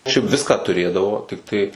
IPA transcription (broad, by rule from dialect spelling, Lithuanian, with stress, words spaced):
ʃʲɛɪp ˈʋʲɪskɑː tʊˈrʲeːdɐʋoː tʲɪkˈtɐɪ